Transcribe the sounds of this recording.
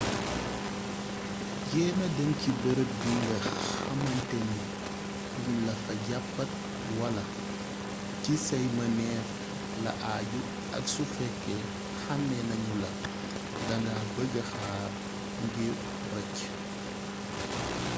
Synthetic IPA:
jɛːnɐdɐŋcibɐɾəbiŋɡɐxɐ̰mɐntɛɲi | unlɐxɐɟapːɐt̚ | wɐlɐ | cisɐjmɐnɛːf | lɐ̰ʔaːɟu | ɐ̰ksufɛkːɛ | xɐnːɛnɐɲulɐ̰ | dɐnaːbəɡɐxaː | ŋɡe | rɐc

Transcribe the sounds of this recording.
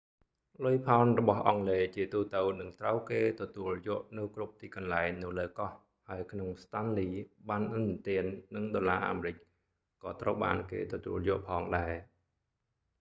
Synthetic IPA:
lʊjpʰaɔnrɔɓɑhʔɑŋleːt͡ɕiət̪uːt̪ɨwnɨŋt̪rəwkeːt̪ɔt̪uəljʊ̆əʔnɨwkrup̚t̪iːkɑnlaɛŋnɨwləːkɑh | haəjkʰnoŋst̪anliːɓaːnʔɨnt̪iənːɨŋɗoːlaːʔa̰ːmerɨc̚ | kɑːt̪rəwɓa̰ːnkḛːt̪ɔt̪uəljʊ̆əʔpʰɑːŋɗaɛ

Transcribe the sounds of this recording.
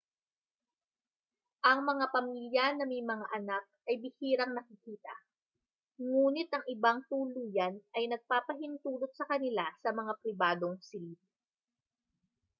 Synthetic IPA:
ʔɐŋmɐŋapɐmiljɐnɐmɐjmɐŋaʔɐnak̚ɐjbɪhiːɾɐŋnɐkɪkiːt̪ɐ̰ | ŋuːnɪt̪ʔɐŋɪbaŋt̪uːluːjɐnʔɐjnɐɡ̚paːpɐɦɪnt̪uːlot̪̚sɐkɐnɪlasɐmɐŋapɾɪbaːd̪o̞ŋsɪlid̪̚

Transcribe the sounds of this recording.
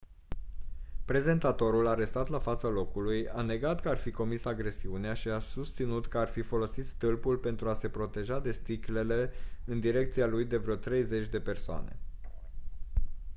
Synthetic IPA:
pɾe̞ze̞nt̪at̪o̞ɾulaɾe̞st̪at̪lafat̪salo̞kulujane̞ɡat̪kəarfiko̞misaɡɾe̞siuneaʃiasust̪sinut̪kəarfifo̞lo̞sit̪st̪ɨlpulpe̞nt̪ɾuase̞pɾo̞t̪e̞ʒad̪e̞st̪ikle̞le̞ɨnd̪iɾe̞k̚t̪sialujd̪e̞vɾeot̪ɾe̞jze̞t͡ʃʲd̪e̞pe̞rsoa̰ne̞̰

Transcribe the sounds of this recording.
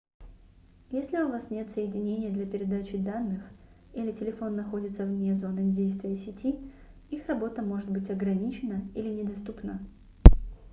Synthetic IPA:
jesʲlʲɪʊvasnʲe̞t̪səjɪdʲɪnʲenʲɪjəd̪lʲɐpʲɪɾʲɪd̪at͡ɕɪd̪anːɨx | ilʲɪtʲɪlʲɪfo̞nːɐxo̞dʲɪt̪səvmnʲezo̞nɨdʲejst̪vʲɪjəsʲɪtʲi | ixrɐbo̞t̪əmo̞ʐɨt̪bɨtʲɐɡɾɐnʲit͡ɕɪnəilʲɪnʲɪd̪ɐst̪upnə

